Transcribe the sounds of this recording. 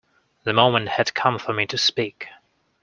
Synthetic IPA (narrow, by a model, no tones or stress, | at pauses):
ðɨmõʊ̃mə̃nt̚hɨd̥̚kʰʌ̃ɱfə˞mitʰɨspik